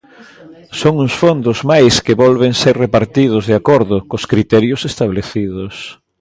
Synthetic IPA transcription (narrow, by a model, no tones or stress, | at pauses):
soŋuŋsfond̪ʊzmajskɪβɔlβeŋseɾrepaɾt̪iðʊzðeakoɾðʊkoskɾit̪ɛɾjʊsest̪aβleθiðʊs